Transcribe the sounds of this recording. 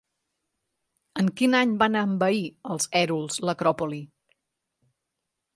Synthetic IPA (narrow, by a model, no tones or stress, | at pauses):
əŋkinaɲbanəmbəiəlˠzɛɾulˠzləkɾɔpoli